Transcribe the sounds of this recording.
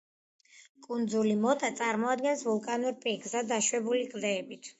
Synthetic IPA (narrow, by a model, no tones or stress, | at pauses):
kʼund̪zulimɔt̪ʼat̪sʼaɾmɔad̪ɡɛnsvulˠkʼanuɾpʼiɡzad̪aʃwɛbulikʼd̪ɛːbit̪ʰ